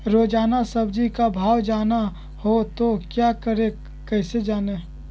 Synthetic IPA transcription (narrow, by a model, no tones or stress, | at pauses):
ɾoːd͡ʒaːnasəbd͡ʒikabʱaːwd͡ʒaːna | hot̪okjaːkəɾe | kɛɪsed͡ʒaːne